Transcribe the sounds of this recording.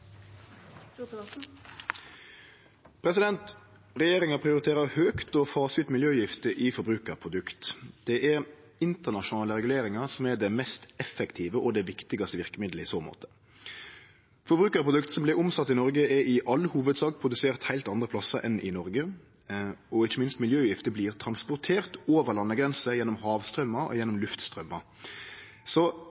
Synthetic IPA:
pʰɾɛsɪd̪ɛnt̪ | ʁɛjeːɾɪŋɑpʰɾɪʊɾɪt̪ʰeːɾəhøːkt̪ɔfɑːsɪt̪mɪljøːjɪft̪əʔɪfɔɾbɾʉːkəɾpʰʁʊd̪ʉkt̪d̪̥ɛʔɛɾ | ɪnt̪əʁnɑʃʊnɑːləɾɛɡʉleːɾɪŋɑʁsɔmɛɖ̪ɛmɛst̪ɛfɛkt̪ʰiːʋəʔɔd̪ɛʋɪkt̪ɪɡɑst̪əʋɪʁkəmɪd̪ləɪsoːmo̰ːt̪ə̥ | fɔɾbʁʉːkəɾpʰʁʊd̪ʉk̚t̪sɔmblɪɾʊmsɑt̪ːɪnɔɾɡəɛɾɪʔɑlːhuːʋəd̪sɑːɡ̚pʰʁʊd̪ʉseːʁt̪hæɪlt̪ɑnd̪ɾəpʰlɑsəɾʔɛ̰nʔɪ̰nɔɾɡə | ɔɪçːəmɪnst̪mɪljøːʉjɪft̪əbliːʁt̪ʰɾɑnspʊʁt̪ʰeːʁt̪oːʋəʁlɑnːəɡɾɛnsəjɛnːɔmhɑːʋst̪ʁœmːɑɾɔ̰jɛnːɔmlʉft̪st̪ʁœmːɑɾ | sɔ

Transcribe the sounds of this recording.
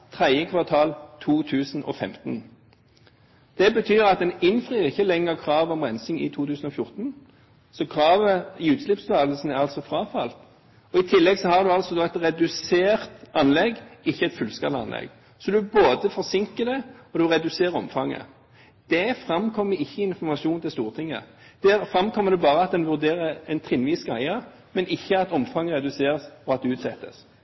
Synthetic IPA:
t̪ʰʁæɪəkʰʋɑʁt̪ʰɑːlt̪ʰuːt̪ʰʉːsn̩ɔ̰fɛ̰mt̪n̩ | d̪̥ɛbət̪ʰyːʁɑt̪̚d̪ɛnɪnfʁiːʁɪçːəlɛŋːəʁkʰʁɑːʋɔmʁɛnsɪŋɪ̰t̪ʰuːt̪ʰʉːsn̩ɔfjʊʁt̪n | sɔkʰʁɑːʋəɪʉːt̪slɪpsʉt̪ʰɑːll̩sn̩æʁɑlsɔfɾɑːfɑlt̪ | ɔɪt̪ʰɪlːɛɡsɔhɑd̪ʉɑlsɔd̪ɔɛt̪ʁɛd̪ʉseːʁt̪ɑnlɛɡɪçːəɛɪt̪fʉlskɑlɑ̰nlɛ̰ɡ | sɔd̪ʉboːd̪əfɔʁsɪŋkəd̪ɛɔd̪ʉʁɛd̪ʉseːʁɔ̰mfɑŋːə̰ | d̪̥ɛfʁɑmkʰɔmːəɾɪçːəɪɪnfɔʁmɑʂuːnt̪ʰɪlst̪uːʁt̪ʰɪŋːə̰ | d̪̥æːɾfɾɑmkʰɔmːəd̪ɛbɑːʁəɑt̪̚d̪ɛnʋʉʁd̪eːʁəɛnt̪ʰʁɪnʋiːskɑɪɑ | mɛnɪçːəɑt̪ɔmfɑŋːəʁɛd̪ʉseːʁsɔɑt̪̚d̪ɛʉːt̪sɛt̪ːə̰s

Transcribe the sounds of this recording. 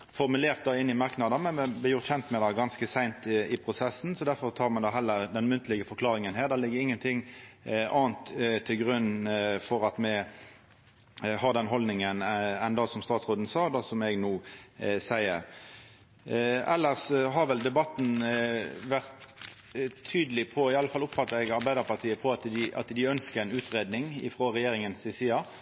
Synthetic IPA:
fɔʁmʉleːʁt̪̚d̪ɑːɪnːɪmɑʁknɑd̪ɑmɛnmɛblɪjʊʁt̪çɛnt̪mɛd̪ɑɡɑnskəsæɪnt̪ɪpʰʁʊsɛsːn̩sɔd̪æɾfɔʁt̪ʰɑːʁmɛd̪ɑːɦɛlːəɾd̪ɛnmʉnt̪ʰəlɪɡəfɔɾkʰlɑːɾɪŋənɦæːʁd̪ɑːlɪɡːəɾɪŋːənt̪ʰɪŋʔɑːnt̪t̪ʰːɪlɡʁʉnːfɔɾɑt̪mɛ | hɑʁd̪ɛnɦɔld̪nɪŋənɛnd̪ɑsɔmst̪ɑːt̪sʁoːd̪n̩sɑːd̪ɑsɔmɛɡnuːsæɪəɾ | ɛlːəʁsɦɑʁʋɛld̪ɛbɑt̪ːn̩ | ʋæʁt̪ʰː | yːd̪əlɪpʰɔɪɑləfɑlʊpfɑt̪ːəɛɡɑɾbæɪd̪əʁpʰɑʁt̪ʰiːəpʰɔɑt̪d̪ɪʔɑ̰t̪d̪ɪœnskəʁeɛnʉːt̪ʁeːd̪nɪŋɪ̰fʁoːʁɛjeːɾɪŋənsɪsiːɑ

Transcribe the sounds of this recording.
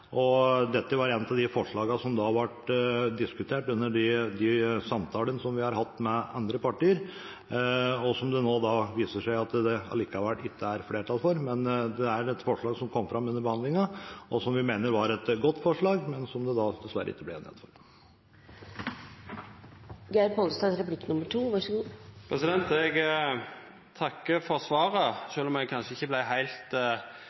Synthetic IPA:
ʔɔd̪ɛt̪ːəʋɑɾɛnt̪ɑʋd̪ɪfɔʂɭɑːɡɑsɔmd̪ɑʋɑʈd̪ɪskʉt̪ʰeːʈʉnːəɖɪd̪ɪsɑmt̪ʰɑːlənəsɔmʋɪhɑɾhɑt̪ːmɛɑnd̪ɾəpɑʈiːəɾ | ɔsɔmd̪ɛnoːd̪ɑʋiːsəʂæɪɑt̪d̪ɛɑ̰liːkɑʋɛlːɪk̪ːəæɾfleːʈʰɑlfɔɾmɛnd̪ɛæɾɛt̪fɔʂɭɑːɡsɔmkʰɔmːfɾɑmʉnːəɾbəhɑnd̪lɪŋɑɔsɔmʋɪmeːnəɾʋɑɾɛt̪ɡɔt̪ːfɔʂɭɑːɡmɛnsɔmd̪ɛd̪ɑd̪ɛsʋæɾːə̰ɪ̰t̪ːəblɛɛ̰nɛ̰d̪fɔɾ | ɡæɪpʰɔlst̪ɑsɾɛplɪkːnʊməʈʰuːʋɑʂəɡuːpʰɾɛsɪd̪ɛnt̪ɛɡ | t̪ʰɑkːəfɔɾsʋɑːɾəʂøːlɔmɛkʰɑnʂəɪçːəblæɪɦæɪlt̪

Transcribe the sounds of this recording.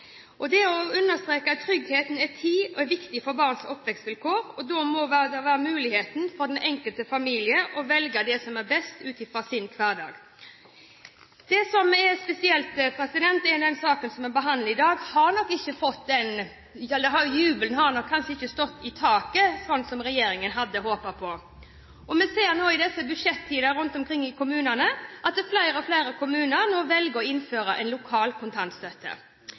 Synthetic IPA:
ʔɔd̪ɛɔʉnːəst̪ɾeːkət̪ʰɾʏɡheːt̪n̩ɛt̪ʰiːɔɛɾʋɪkt̪ɪfɔɾbɑːʁnsɔpːʋɛkst̪ʋɪlkʰoːɾɔd̪ɔmɔʋæd̪ɛʋæːɾəmʉːlɪheːt̪nfɔɾd̪ɛnʔɛŋkəlt̪əfɑmiːlɪəʔɔʋɛlɡəd̪ɛsɔmɛɾbɛst̪ʉːt̪ɪfɾɑsɪnkʰʋɑːʁd̪ɑ̰ːɡ | d̪̥ɛsɔmɛɾspɛsɪɛlt̪pʰɾɛsɪd̪ɛnt̪ɛnd̪ɛnsɑːkənsɔmɛɾbəɦɑnd̪lɪd̪ɑːɡhɑɾnɔkːɪçːəfɔt̪ːd̪ɛn | ɛd̪ɛɦɑjʉːblnɦɑɾnɔkʰːɑnʂəɪçːəst̪ɔt̪ːɪt̪ʰɑːkəsɔnt̪sɔmɾɛjeːɾɪŋənɦɑd̪ːəɦoːpəpʰɔ | ʔɔmɛseːɾnoːɪd̪ɛsːəbʉd̪ʂɛt̪ʰːiːd̪əɾʉnt̪ɔmkʰɾɪŋːɪkʊmʉːnənəʔɑt̪̚d̪ɛflæɪɾəɔfleɪɾəkʰʊmʉːnəɾnoːʋɛlɡəɾɔɪnføːɾəʔɛ̰nlʊkʰɑːlkʰʊnt̪ʰɑnt̪st̪øːt̪ʰə̰

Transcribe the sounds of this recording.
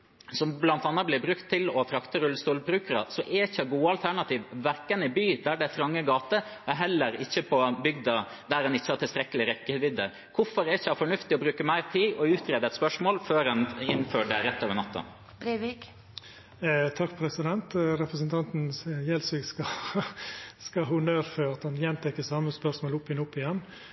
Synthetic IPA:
sɔmblɑnt̪ɑnːɑt̚blɪɾbɾʉkt̪ʰːɪlɔfɾɑkt̪əɾʉlst̪uːlbɾʉːkəɾə̰sɔʔɛɪçːəɡuːəɑlt̪ʰæɳɑt̪ʰiːʋʋæɾkənɪbyːd̪æɖɛætfɾɑŋːəɡɑːt̪əɛɦɛlːəɾɪçːəpʰɔbʏɡd̪ɑ | d̪æɾɛnɪçːəhɑʈ̪ʰɪlst̪ɾɛkːəlɪɾɛkːəʋɪd̪ə | kʰʊfɔɾæɾɪçːəɑfɔɳʉft̪ɪɔbɾʉːkəmæɪɾt̪ʰiːʔɔʉːt̪ʰɾeːd̪əɛt̪spœʂmoːlføːɾɑnɪnːføːɖɛɾɛt̪ːøːʋəɾnɑt̪ːɑ̰ | bɾʋik | t̪ʰɑkːpʰɾɛsɪd̪ɛnt̪ɾɛpɾəsnt̪ʰɑnt̪n̩jɛlsɪɡskɑ | skɑɦuːnøːɾfœɾɑt̪hɑnjɛnt̪ʰɛkːəsɑmːəspœʂmoːlʊpɪnʊpːɪjɛn

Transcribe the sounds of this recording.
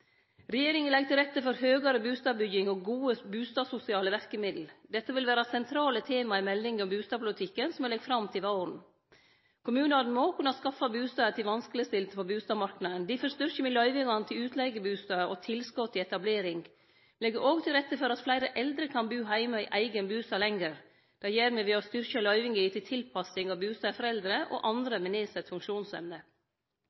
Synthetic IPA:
ɾɛjeːɾɪŋənlɛɡ̚t̪ʰɪlɾɛt̪ːəfɔɾhøːɡɑɾəbʉːst̪ɑːbʏɡɪŋɔɡuːəbʉːst̪ɑːsʊsɪɑːləʋæɾkəmɪd̪l̩d̪ɛt̪ːəʋɪlʋæːɾɑsɛnt̪ʰɾɑːlət̪ʰeːmɑɪmɛlːɪŋɔmbʉːst̪ɑːpʰʊlɪt̪ʰɪkːənsɔmɛlɛɡfɾɑmt̪ʰɪʋɑɾn̩ | kʰʊmʉːnəɑd̪n̩moːkʰʉnɑskɑfɑbʉːst̪ɑːət̪ʰɪlʋɑnsklɪəst̪ɪlt̪əfɔbʉːst̪ɑːmɑɾknɑənd̪ɪfɔɾst̪ʏɾçəmɪlœʏʋɪɡɑnt̪ʰɪlʉːt̪ʰlɛɪɡəbʉːst̪ɑːəʔɔt̪ʰɪlskɔt̪ʰːɪɛt̪ɑbleːɾɪŋ | lɛɡəʔoːɡt̪ʰɪlɾɛt̪ːəfɔɾɑt̪flæɪɾəʔɛld̪ɾəkʰɑnbʉːɦæɪmɑɪʔæɪɡənbʉːst̪ɑːlɛŋəɾ | d̪̥ɛjeːɾmɛʋɪːɔst̪ʏɾçəlœʏʋɪŋɡɪt̪ʰɪlt̪ʰɪlpʰɑsɪŋɑʋbʉːst̪ɑːfɔɾɛld̪ɾəʔo̰ːʔɑnd̪ɾəmɪneːsɛt̪fʉŋkʃuːnsɛ̰mnə

